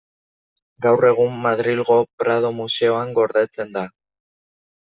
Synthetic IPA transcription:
ɡawre̞ɣ̞umːaðɾilɣo̞pɾað̞o̞muse̞o̞aŋɡo̞ɾðat͡se̞nd̪a

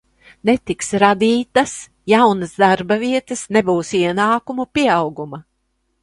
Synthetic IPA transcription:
nɛt̪iksɾad̪iːt̪as | jawnɐsd̪aɾbɐviɛt̪ɐsnebuːsiɛnaːkumupʲiɛawɡumɐ

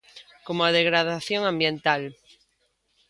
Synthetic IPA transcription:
komoaðeɣ̞ɾað̞aθjoŋãmbjẽnt̪al

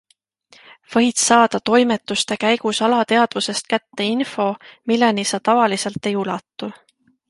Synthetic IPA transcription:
v̥ɤ̞jt̪sɑːd̪̥ɑt̪o̞jme̞t̪ːˑust̪e̞kæjɡ̥usɑlɑt̪e̞ɑd̪̥vuse̞st̪̚kæt̪ːe̞info̞milːenisɑt̪ɑvɑlise̞lt̪ːˑe̞julɑt̪ːˑu

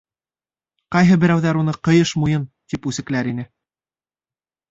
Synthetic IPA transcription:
qɑjɦɤbɘ̆ɾæwðæɾunɤqɤ̆jɤʃmujɤnt̪ipʉsɘ̆klæɾinɘ

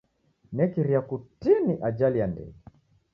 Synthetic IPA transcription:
nɛkiɾiakutiniʔad͡ʒalijandɛ̰i

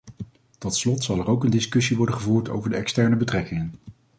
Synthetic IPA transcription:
tɔtslɔtsɑlˠɛrowkəndɪskɵsiʋɔɹdənχəvuːɹto̰wvəɹdəɛkstɛɹnəbətrɛkɪŋən

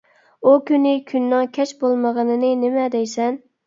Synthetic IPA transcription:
ukʲynɪkʲʰynːɪŋkʲʰɛt͡ʃbolˠməʁənɨnɨnɪmɛd̪ɛjsɛn

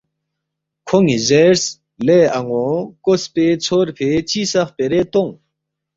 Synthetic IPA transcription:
kʰoŋizeɾs | leːɐŋɡokospet͡sʰoɾpʰet͡ɕisɐχpeɾet̪oŋ

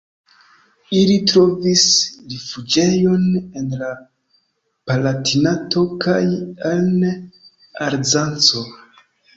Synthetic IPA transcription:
ilitɾo̞visɾefud͡ʒe̞jo̞ne̞nla | palatinato̞kʰajan | aɾzant͡so̞

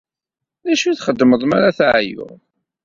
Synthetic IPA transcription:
ðæʃuθχəd̪ːməðˤmaɾaθʕjʊ̰ʁ

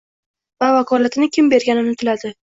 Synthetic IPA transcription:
vavakʰɒlat̪ɪnɪkʲʰɪmbe̞ɾɡʲanɪnɪt̪ʰɪlad̪ɪ

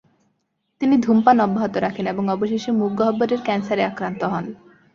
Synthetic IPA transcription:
t̪inid̪ʱumpanɔbːaɦot̪oɾakʰeneboŋɔboʃeʃemuɡːoɦɔbːoɾeɾkɛnsaɾeakɾant̪oɦɔn

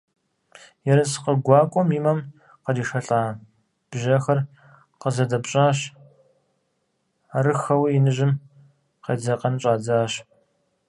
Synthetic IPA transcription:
jɛɾɐsqəɡʷɑːkʷʼɔmiːmɐm | qɐdiːʃɐɬʼaː | b̥ʒɐxɐr | qəzɐdɐpɕʼaːɕ | aɾɨxɐwjinɨʑɪm | qeːd͡zɐqɐnɕʼaːd͡zaːɕ

